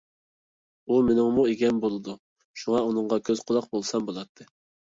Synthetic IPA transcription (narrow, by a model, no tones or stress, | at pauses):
umenɪŋmueɡʲɛnbolˠɨd̪u | ʃuŋɑunɨŋʁɑkʲʰøz̥qʰʊlˠɑq̚bolˠsɑmbolˠɑt̪ʰːɨ